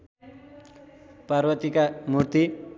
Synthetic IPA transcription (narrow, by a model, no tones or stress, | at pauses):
parwʌt̪ikamurt̪i